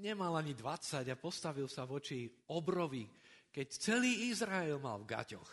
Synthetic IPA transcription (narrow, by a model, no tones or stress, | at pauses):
ɲɛmalaɲid̪ʋat͡saɟapɔst̪aʋilsaʋɔt͡ʃiɔbɾɔʋi | kɛct͡sɛliːizɾaɛlma̰lvɡa̰cɔ̰x